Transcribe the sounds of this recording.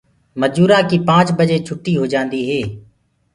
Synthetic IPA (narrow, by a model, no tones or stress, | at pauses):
məd͡ʒuːɾãːkiːpãːt͡ʃbəd͡ʒeːt͡ʃʰʊʈːiːɦoːd͡ʒãːnd̪iːɦeː